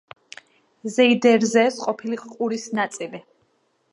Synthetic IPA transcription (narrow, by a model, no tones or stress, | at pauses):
zɛid̪ɛɾzɛːsqʼɔpʰiliχʼqʼuɾisnat̪sʼili